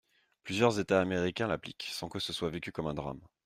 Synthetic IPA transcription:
plyzjœʁzet̪aːmeʁikʲɛ̃lapliksɑ̃kəsəswavekʲykɔmɛ̃d̪ʁa̰m

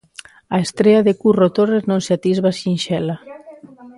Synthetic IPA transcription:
aest̪ɾeaðekurot̪oreznõnseat̪izβasinʃɛla

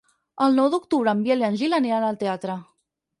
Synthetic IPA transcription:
əlˠnɔwd̪ukt̪uβɾəːmbjelanʲʒilaneanəlˠt̪eat̪ɾə

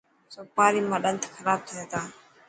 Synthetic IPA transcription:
soːpaːɾiːmãːɗənt̪ʰkʰəɾaːb̚t̪ʰieːt̪aː

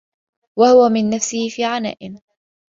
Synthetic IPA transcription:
wahʊwamɪnːafsɪhɪfiːʕana̰ːʔɪm

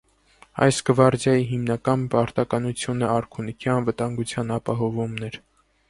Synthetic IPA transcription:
ɑ̰jsɡəvɑɾd͡zjɑjiɦimnɑkɑnpɑɾt̪ɑkɑnut͡sʰjunəɑɾkʰunikʰiɑnvət̪ɑŋɡut͡sʰjɑnɑpɑɦɔvumnɛɾ

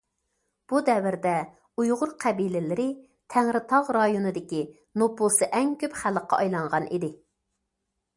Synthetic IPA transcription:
b̥ud̪ɛwɪɾd̪ɛ | ujʁʊɾqʰæbilɪlɪɾɪ | t̪ʰæŋɾɪt̪ʰɑʁɾɑjonɨd̪ɪkʲi | nopulˠsɨʔɛŋkʲʰøpχæləqːɑ̰ɑjlˠɑɴʁɑnid̪ɪ

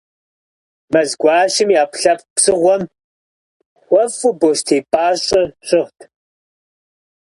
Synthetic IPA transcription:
mɐzɡʷɑːʃɪmjaːpɬɐp̚psɨʁʷɔm | xʷɔfʊboːʃtʰeːpʼaːɕʼɪɕʼɪʁtʰ

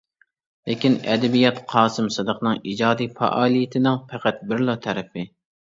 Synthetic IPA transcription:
lekʲinɛ̰d̪ɛbijɛt̪qʰɑːsɨmsɨd̪əqnɨŋid͡ʒɑːd̪ijfɑ̰ʔɑːlˠijɪt̪ʰɪnɪŋpʰæqæt̪̚bɪɾlˠot̪ʰɛɾɛpɪ

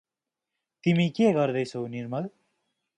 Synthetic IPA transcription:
t̪imikeɡʌɾd̪ʌjsʰoniɾmʌl

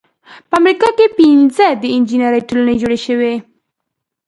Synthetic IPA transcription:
pəamɾikɑkepinzəd̪əɪnd͡ʒinaɾəjʈolunad͡ʒoɽeʃəwe

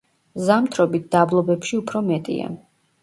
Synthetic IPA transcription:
zamt̪ʰɾɔbit̪̚d̪̥ablˠɔbɛpʃiupʰɾɔmɛt̪ʼḭa̰

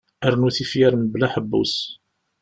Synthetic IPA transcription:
æɾnuθifjæɾəmblæħəbːṵs

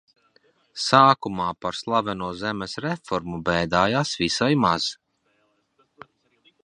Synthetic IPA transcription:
saːkumaːpaɾslˠavɛnuɔzɛmɛsɾɛfɔɾmubɛjd̪aːjaːsvisajmaz̥

